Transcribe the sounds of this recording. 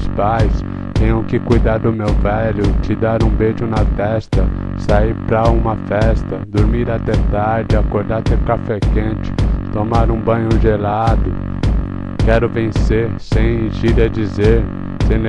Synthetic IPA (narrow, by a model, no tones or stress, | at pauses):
spajs | t̪ẽɲʊ̃kɪkujd̪aɾd̪ʊmewvɛlʊt͡ʃɪd̪aɾũbeʒʊnɐt̪ɛst̪ɐ | saiɾpɾɐũmɐfɛst̪ɐd̪oɾmiɾat̪ɛt̪aɾd͡ʒɪakoɾd̪aɾt̪eɾʊkafɛkẽt͡ʃɪ̥t̪omaɾũbɐ̃ɲʊʒelad̪ʊ | kɛɾʊvẽseɾsẽj̃ʒiɾɐd͡ʒizeɾ | sẽ